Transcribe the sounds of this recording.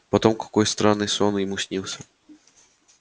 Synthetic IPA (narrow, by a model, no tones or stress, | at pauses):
pɔt̪ɔmkɔ̥kɔjst̪ɾɔnɘswɔnuimuɕɲiwsɛ